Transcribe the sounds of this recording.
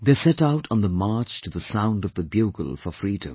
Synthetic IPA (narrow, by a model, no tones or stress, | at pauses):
ðesɛtaʊɾn̩ðəmɑɹt͡ʃtʰɨðəsãʊ̃ndʌvðəbjuɡə̰l̩ˠfəfɹidə̰̃m